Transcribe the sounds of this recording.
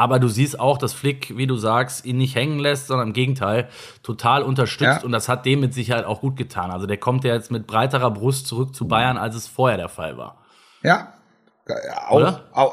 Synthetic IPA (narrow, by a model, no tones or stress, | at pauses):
ʔaːbɐduːziːstaʊxd̥asflɪkviːduːzaːkstʔiːnːɪçthɛŋənlɛstz̥ɔndɐnɪmɡeːɡŋ̩tʰaɪl | tʰotʰaːlʊntɐʃtʏt͡stʊnt̚d̥ashat̚d̥eːmːɪtz̥ɪçɐhaɪtaʊxɡ̥uːt̚ɡ̥ətʰaːnʔalzodeːɐkʰɔmtjaːjɛt͡stmɪt̚b̥ʁaɪtəʁɐbʁʊstt͡suʁʏk̚t͡subaɪɐna̰ls̬ɛsfoːɐheːɐɾeːɐfa̰lva̰ːɐ | jaː | odɐ